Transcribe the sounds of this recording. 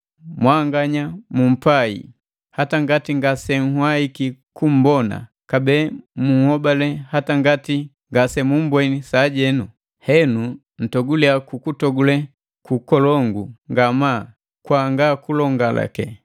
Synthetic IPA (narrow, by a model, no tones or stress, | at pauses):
mwaŋɡaɲamum̩paḭ | hataŋɡatiŋɡasɛŋ̩hwaikikum̩bɔna̰ | kabɛːmuhɔbalɛhataŋɡati | ŋɡasɛmum̩bwɛnisaɟɛnu | hɛnu | n̩tɔɡulɛakukutɔɡulɛ | kukɔlɔŋɡuŋɡamaː | kwaŋɡakulɔŋɡala̰kɛ